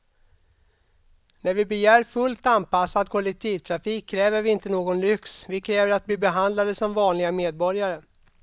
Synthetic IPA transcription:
næɾvɪbɛjæːɾfɵlt̪anpasːad̪̚kʰɔlɛk̚t̪ʰiːvt̪ʰɾafiːkʰːɾɛːvəɾvɪɪnt̪ənoːɡɔnlʏksvɪkʰɾɛːvəɾat̪̚bliːbɛɦand̪lad̪əsɔmvɑːnlɪɡameːd̪̚bɔɾjaɾə

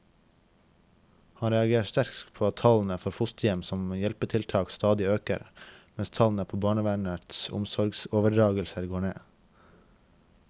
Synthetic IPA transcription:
hɑnɾɛɑɡeːst̪æɾkpʰoːɑt̪ʰɑln̩əfɔɾfʊst̪jɛmsɔmjɛlpəʈʰɪlt̪ʰɑːkst̪ɑːd̪ɪøːkə̰ɾmɛnst̪ʰɑln̩əpʰoːbɑːɳəʋænəɾt̪sʊ̰msɔɾɡsoːʋəɖɾɑːɡəlsəɾɡoːɳeː

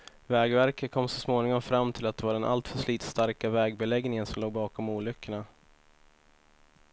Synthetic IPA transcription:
vɛːɡvæɾkət̪̚kʰɔmːsɔsmoːnɪŋɔmfɾamːt̪ʰɪlat̪̚d̪ɛvaɖɛnʔa̰lt̪fœʂliːt̪st̪aɾkavɛːɡ̚bɛlɛɡnɪŋənsɔmloːɡ̚bɑːkɔmuːlʏkːəɳa

